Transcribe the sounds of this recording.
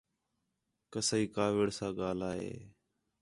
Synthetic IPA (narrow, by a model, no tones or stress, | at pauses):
kəsaːiːkaːʋɪɽsãːɠaːlaːɦḛː